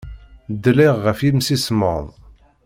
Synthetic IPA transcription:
d̪ːliʁːəfimsismə̰ðˤ

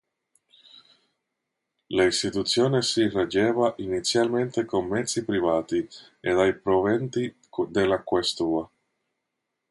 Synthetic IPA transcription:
laist̪it̪ut̪sːjoːnesirad͡ʒɛːvaʔinit̪sːjalment̪ekomːɛt̪sːipɾivaːt̪i | ed̪ajpɾovɛnt̪i | d̪elːakwest̪uːa

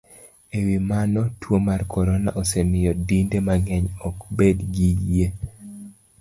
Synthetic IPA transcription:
ewimanɔtwomarkɔɾɔna̰ʔosenɪjɔdindemaŋɛɲɔkbedɡije

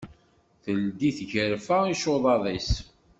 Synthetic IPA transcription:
θəld̪iθʝəɾfaiʃoðˤɑðˤis

